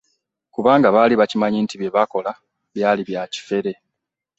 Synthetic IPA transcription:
kuβaːŋɡaβaːliβacimaɲiːntiβeβako̞la | βjaːliβjaci̥fe̞ɾe̞

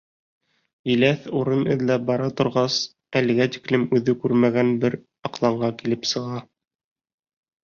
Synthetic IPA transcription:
ĭlæθuɾɤnɘ̰̆ðlæbɑɾɑt̪ŏɾʁɑs | ælɘ̆ɡæt̪i̥klɘmʉðɘkʉɾmæɡænbɘɾ | ɑqlˠɑɴɢɑkilɘpsɤ̆ʁɑ

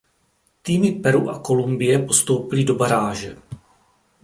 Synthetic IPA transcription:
t̪iːmɪpɛɾuʔako̞lumbɪjɛpo̞st̪o̞wpɪlɪdo̞baɾaːʒɛ

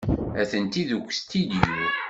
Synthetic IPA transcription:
æθənt̪iðukʷːst̪ːid̪ju

